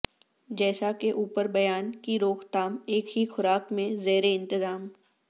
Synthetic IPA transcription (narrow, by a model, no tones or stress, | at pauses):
d͡ʒɛːsakeʔuːpəɾbɐjaːnkiɾoːxt̪aːmeːkɦixʊɾaːkmẽzeːɾeɪ̃nt̪ɪzaːm